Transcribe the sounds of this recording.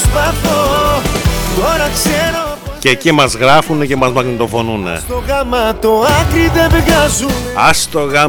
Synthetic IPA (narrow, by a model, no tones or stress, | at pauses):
spɐθo | t̪oɾɐkseɾocecimɐzɣɾɐfunecemɐzmɐɣnit̪o̞fo̞nunḛt̪oɣɐmɐt̪oɐkɾid̪ebeɡazuɐst̪oɣɐ